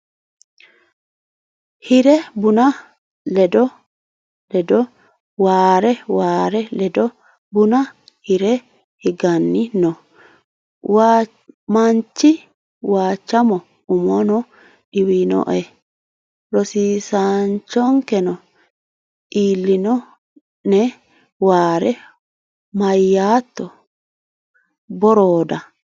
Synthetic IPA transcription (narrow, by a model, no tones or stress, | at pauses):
hɪɾɛbʊnɐ | lɛd̪ɔ | lɛdɔ | waːɾɛwaːɾɛlɛd̪ɔ | bʊnɐ | hɪɾɛ | hɪɡɐnːɪnɔ | waː | mɐnt͡ʃːɪ | waːt͡ʃːɐmɔ | ʊmɔnɔ | ɗɪwinɔ̰ʔɛ | ɾɔsiːsant͡ʃːɔŋkɛnɔ | ʔiːlːɪnɔ | nɛ | waːɾɛ | mɐjːaːt̪ːɔ | bɔɾoːd̪ɐ